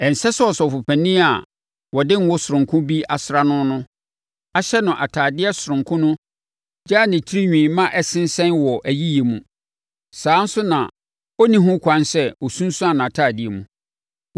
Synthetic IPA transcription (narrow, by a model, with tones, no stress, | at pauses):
ɛ˨n̩˨sɛ˦sɛ˦ɔ˨sɔ˨fʊ˨pʰæ˨nĩ˦a˨ | wɔ˨dɪ̃˦n̩˦wʊ˦sʊ˨ɾʊ̃˨kʰʊ̃˦bi˦ʔa˨sɾa˦nʊ̃˦nʊ̃˦ | a˦ɕɛ˦nʊ̃˨ʔa˨tʰaː˨dɪ˦ɛ˦sʊ˨ɾʊ̃˨ŋkʰʊ̃˦nʊ̃˦ | d͡ʑaː˦˨nɪ̃˨t͡ɕʰi˦ɾi˦ɲᶣĩː˨mã˦ʔɛ˦sɪ̃˦n˦sɛ̃˦nwɔ˨ʔæ˨ji˦je˨mṵ̃˨ | saː˨˦n̩˦sʊ˦nã̰˨ | ɔ˦nĩ˦ɦʊ̃˦kʷʰã˦nsɛ˦wɔ˨sũ˦n˦sʊ̃˦a˨nã˨tʰaː˦˨dɪ˦ɛ˨mũ˨